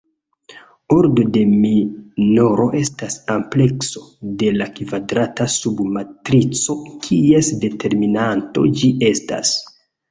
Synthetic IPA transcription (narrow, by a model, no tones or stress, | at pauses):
o̞ɾdo̞de̞mino̞ɾo̞ʔe̞stasample̞kso̞de̞lakvadɾatasubmatɾit͡so̞kʰiesde̞tʰe̞ɾminanto̞̰d͡ʒiʔe̞sta̰s